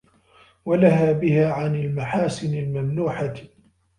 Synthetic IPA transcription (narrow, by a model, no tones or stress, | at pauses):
walahaːbɪhaːʕanalmaħaːsɪnalmamnuːħa